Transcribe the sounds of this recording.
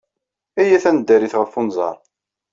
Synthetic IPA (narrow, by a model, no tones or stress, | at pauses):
æjæθænəd̪ːæɾiθʁəfːunzˤɑ̰ɾˤ